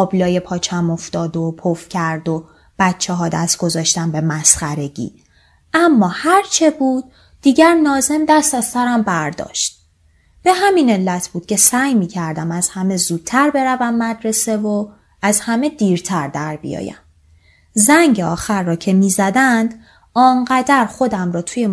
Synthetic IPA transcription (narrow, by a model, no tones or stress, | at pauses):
ɒːblɒːjepʰɒːt͡ʃʰæmo̞ft̪ɒːd̪opʰofcʰæɾd̪o | b̥ætt͡ʃʰːeɦɒːd̪æst̪̚ɡ̥o̞zɒːʃt̪ænbe̞mæsχæɾe̞ɟḭ | ʔæmːɒːhæɾt͡ʃʰe̞buːd̪̥̚ː | iːɟæɾnɒːze̞md̪æst̪æzsæɾæmbæɾd̪ɒ̰ːʃt̪̚ | b̥e̞hæmine̞lːæt̪ʰb̥uːd̪̥̚cʰe̞sæːjmiːcʰæɾd̪æmæz̥hæme̞zuːd̪̥̚t̪ʰːæɾbe̞ɾævæmːæd̪ɾe̞se̞vo | æzhæme̞d̪iːɾt̪ʰæɾd̪æɾbḭjɒ̰ːjæ̰m | zæŋɟeɒːxæɾːɒːcʰe̞miːzæd̪ænd̪ | ɒːŋɢæd̪æɾχo̞d̪æmɾɒːt̪ʰuje